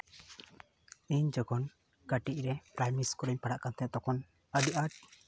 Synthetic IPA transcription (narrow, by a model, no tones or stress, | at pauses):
iɲd͡ʒɔɡɔn | kaʈic̚ɾɛpɾajmiskɔɾəɲpaɽaʔkant̪ɛt̪ɔkɔn | əɖiʔaʈ̚